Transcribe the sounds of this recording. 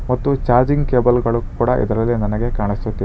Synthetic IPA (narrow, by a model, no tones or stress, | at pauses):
mɐt̪ːut͡ʃaːɾd͡ʒiŋɡkeːbɐlɡɐɭukuːɽɐʔḭd̪ɐɾɐlːinɐnɐɡe̞kaːɳisut̪ːi